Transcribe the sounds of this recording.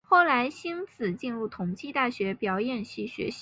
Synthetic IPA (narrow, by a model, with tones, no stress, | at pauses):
xo˥˩ʊla˧˥ɪɕi˥nt͡sʰɹ̩˨˩t͡ɕi˥˧nɻu˥˩t̪ʰʊ˨˩ŋt͡ɕʰi˥˧t̪a˥˩ɕɥɛ˧˥pjɑ˨˩ʊjɛ˨˩nɕi˥˩ɕɥɛ̰˧˥ɕ